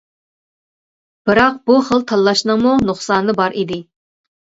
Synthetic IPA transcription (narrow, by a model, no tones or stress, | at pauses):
b̥ɨɾɑq̚b̥uχəlˠt̪ʰɑlːˠɑʃnɨŋmunoχsɑːnːɨbɑɾʔid̪ɪ